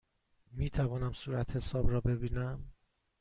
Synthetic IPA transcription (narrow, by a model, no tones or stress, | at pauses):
miːt̪ʰævɒːnæmsuːɾæt̪ʰhe̞sɒːbɾɒːbe̞biːnæm